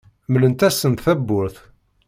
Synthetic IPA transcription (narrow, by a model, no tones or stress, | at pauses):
mələnt̪æsːənt̪θæbːʊɾθ